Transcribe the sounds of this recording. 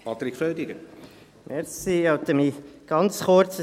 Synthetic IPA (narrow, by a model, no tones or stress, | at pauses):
pʰɑt̪ɾikføːd̪iɡə | mʔɛɾsiɑwt̪əmiɡ̥ɑnt͡sχʊɾt͡s